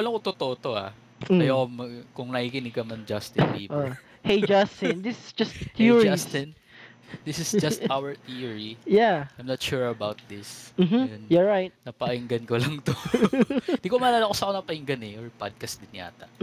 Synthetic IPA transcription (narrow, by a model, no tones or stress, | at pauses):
ɐlɐŋkot̪ot̪oʔt̪oa̰ | ɐjoomɐkʊŋnɐkikɪnɪɡɐmɐnd͡ʒast̪ɪnḭːbo | hejd͡ʒast̪ɪ̃nd̪ɪsɪsd͡ʒɐst̪t̪iɹast̪ɪn | d̪ɪsɪsd͡ʒɐst̪awɛɹt̪iɹijaʔajmnɐt̪ʃuɹɐbawt̪̚d̪ɪsm̩ɦm̩jonjaɹajt̪̚nɐpɐʔɪŋɡɐnkolɐŋt̪o | nd̪ikomɐlaːlakosɐkonɐpɐʔɪŋɡɐnɛʔoɹpa̰d̪̚kɐst̪d̪ɪnja̰ːt̪ɐ̰